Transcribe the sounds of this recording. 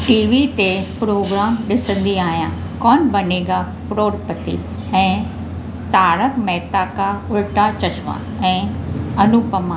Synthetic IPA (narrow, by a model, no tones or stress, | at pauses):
ʈiːʋit̪epɾoːɡɾaːmɗɪsə̃nd̪iaːɦjã | kɔːnbɐneːɡa | pɾoːɾpət̪ḭ | ɛ̃ː | t̪aːɾəkmɛɦt̪akaʊɾʈat͡ɕɐt͡ɕʰʋã̰ | ɛ̃ːɐnupəmãː